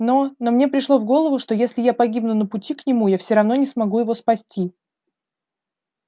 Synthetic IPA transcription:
nono̞mnʲe̞pɾʲɪʂlˠo̞vɡo̞lˠəvʊʂt̪o̞jesʲlʲɪjapɐɡʲibnʊnəpʊtʲiknʲɪmujafsʲoɾɐvn̪o̞nʲɪsmɐɡujɪvo̞spɐsʲtʲi

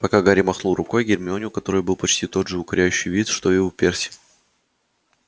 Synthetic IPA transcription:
pɐkaɡaɾʲɪmɐxnulˠrʊko̞jɡʲɪɾʲmʲɪonʲɪʊkɐt̪o̞ɾɨjbɨlˠpɐt͡ɕtʲit̪o̞d̪ʐɨʊkɐɾʲæjʉɕːɪjvʲit̪ʂt̪o̞ɪupʲersʲɪ̥

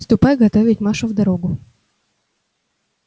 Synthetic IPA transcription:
st̪ʊpɑjɣɐt̪ɔvʲɪtʲmɑʃɐwd̪ɐɾɔɡʊ

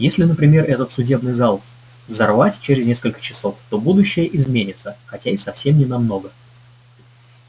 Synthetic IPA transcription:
jesʲlʲɪnəpɾʲɪmʲe̞rʔɛt̪ət̪sʊdʲe̞bnɨjzalˠ | zɐrvatʲt͡ɕeɾʲɪzʲnʲe̞skəlʲkə̥t͡ɕɪ̥so̞ft̪o̞bud̪ʊɕːɪjəʔɪzmʲenʲɪt̪səxɐtʲaɪsɐfsʲemnʲɪnɐmno̞ɡə

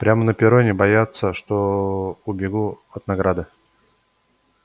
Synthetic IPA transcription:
pɾʲamənəpʲɪɾonʲɪbɐjat̪sːəʂt̪oʊbʲɪɡuɐt̪nɐɡɾad̪ɨ

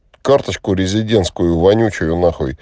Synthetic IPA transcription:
kart̪ət͡ɕkʊɾʲɪzʲɪdʲe̞nt̪skʊjʊvɐnʲut͡ɕʊjʊnaxoj

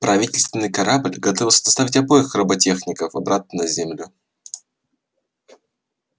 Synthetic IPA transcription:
pɾɐvʲitʲɪlʲst̪vʲɪnːɨjkɐɾablʲɡɐt̪ovʲɪlˠsʲə̥t̪ɐ̥st̪avʲɪtʲɐbo̞jɪxrəbɐtʲe̞xnʲɪkəfɐbɾat̪̚nənəzʲemlʲʊ

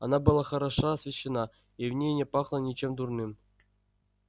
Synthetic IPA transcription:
ɑnɑbɯlˠɑχɐɾɑʂaːsvʲeɕːenɑ | ivnʲejnʲepɑχlˠənʲet͡ɕemd̪urnɨm

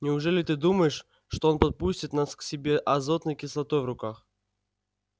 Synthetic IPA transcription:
nʲɪʊʐɛlʲɪt̪ɨd̪uməjɪʂ | ʂt̪oo̞npɐt̪̚pusʲtʲɪt̪nasksʲɪbʲe̞ʔɐzot̪nəjkʲɪslˠɐt̪o̞jvɾʊkax

